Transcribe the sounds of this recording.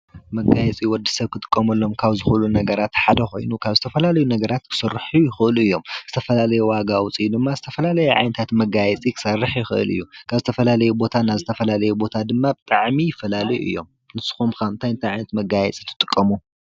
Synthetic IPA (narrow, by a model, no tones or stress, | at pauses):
mɐɡajɛt͡sʼiwɔd̪isɐβkʰɨt̪ʼɨ̥kʼːɐmɐlːo̞mkʰaβzɨxlunɐɡɐɾat̪ħad̪ɐxo̞̰jnukʰaβzɨt̪ʰɐfɐlalɐjunɐɡɐɾat̪kʰɨ̥sɐrːħujɪxɨʔluɨjːo̞mzɨt̪ʰɐfɐlalɐjɛwaɡawʊt͡sʼijud̪ɨmːazɨt̪ʰɐfɐlalɐjɛʕa̰jnɐt̪ʰat̪mɐɡajɛt͡sʼikʰɨ̥sɐrːɨħjɪxɨʔɨ̰lɨ̰jːukʰaβzɨt̪ʰɐfɐlalɐjubo̞t̪ʰanːazɨt̪ʰɐfɐlalɐjubo̞t̪ʰad̪ɨmːabɨt̪ʼaʕmijɪfɐlalɐjuʔɨ̰jːo̞̰m | nɨsɨ̥xumkaɨnt̪ʰajɨnt̪ʰajʕajnɐt̪mɐɡajɛt͡sʼi̥t̪ʰɨ̥t̪ʼɨkʼːɐmu